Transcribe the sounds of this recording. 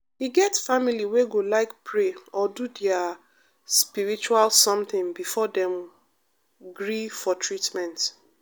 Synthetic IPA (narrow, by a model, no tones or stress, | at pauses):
hiɡɛtfamiliweɡolaɪkpʰɹeɔdudɛa | spiɹit͡ʃualsɔ̃mθɪ̃ŋbifɔdɛ̃m | ɡɹifɔtɹitmɛ̃nt